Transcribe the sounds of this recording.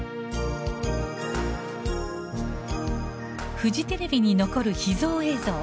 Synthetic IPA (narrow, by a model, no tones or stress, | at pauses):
ɸɯ̟ʑit̪e̞ɾe̞bʲiɲ̟ino̞ko̞ɾɯ̟çizo̞ːe̞ːzoː